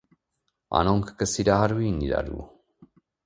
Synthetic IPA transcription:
a̰noŋkkəsiɾaɦaɾuwiniɾa̰ɾṵ

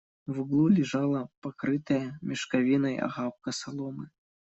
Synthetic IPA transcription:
vuɡlˠulʲiʐalˠɐpakɾɨt̪ɐjɐmʲɛʂkavʲinɐja̰ɣap̚kɐsalˠɔmɨ

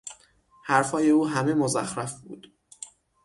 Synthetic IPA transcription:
hæɾfɒːje̞uːɦæme̞mozæxɾæfbṵːd̪̥

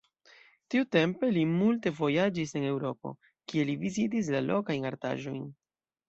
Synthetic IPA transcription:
tiute̞mpe̞limulte̞vo̞jad͡ʒis̬e̞ne̞wɾo̞po̞̰ | kie̞livizit̬is̬lalo̞kajnaɾta̰ʒo̞̰jn

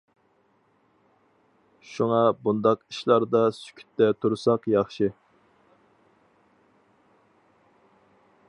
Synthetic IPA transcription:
ʃuŋɑbund̪ɑqiʃlˠɑɾd̪ɑsy̥kʲʰy̥t̪ːɛt̪ʰuɾsɑqjɑχʃɨ

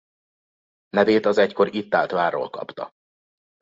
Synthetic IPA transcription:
nɛveːt̪ɒzɛcko̞ɾit̪ːaːlt̪ʋaːro̰ːlkɒ̰pt̪ɒ

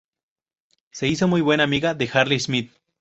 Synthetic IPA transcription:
se̞isomujβwe̞namiɣaðexaɾlismit̪̚

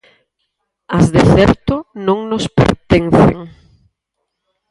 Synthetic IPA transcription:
ɐzðɪθɛɾt̪ʊnõŋnʊspḛɾt̪enθḛŋ

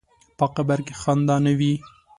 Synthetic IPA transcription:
paqabaɾkexɑnd̪ɑːnawi

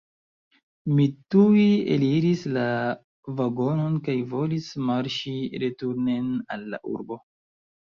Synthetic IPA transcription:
mituiḛliɾisla | vaɡo̞no̞nkajvo̞lismaɾʃiɾetuɾne̞na̰lːa̰ʔṵɾbo̞

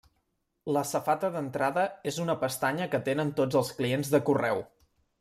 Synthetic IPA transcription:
ləsəfat̪əðənt̪ɾaðəezunəpəst̪aɲəkət̪enənt̪od͡zəlˠsklienzðəkurɛw

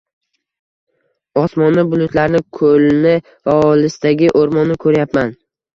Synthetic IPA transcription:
ɒsmɒnabʊlʊt̪laɾnɪkʰɵlnɪ | vaɒlɪsɪd̪aɡʲɪʔoɾmɒnːɪkʰɵɾjapman

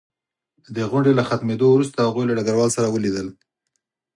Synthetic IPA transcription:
d̪əɣʊɳɖelaxat̪med̪owɾust̪ahaɣujlaɖaɡaɾwɑlsaɾawəlid̪əl

